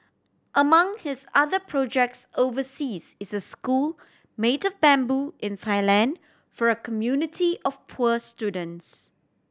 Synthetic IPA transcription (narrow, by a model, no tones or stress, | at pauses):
ʔəmãŋhɪsaðəpʰɹɔd͡ʒɛk̚tsovəsizɪsəskul | metɔvbɛ̃mbuɪ̃ntʰaɪlɛ̃nd | fɔɹəkʰəmjunɪtʰiɔfpʰuəstjudə̃nts